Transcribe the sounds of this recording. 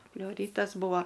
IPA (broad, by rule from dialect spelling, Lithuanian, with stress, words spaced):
pʲlʲɛʊˈrʲiːtɐs ˈbuːʋɐ